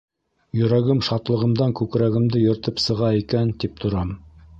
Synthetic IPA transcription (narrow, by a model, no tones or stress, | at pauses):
jɵ̆ɾæɡɘmʃɑt̪lˠɤ̆ʁɤ̆md̪ɑŋkʉkɾæɣɘ̆md̪ɘjɵ̆ɾt̪ɘpsɤ̆ʁɑikænt̪ip̚t̪ʰŏɾɑm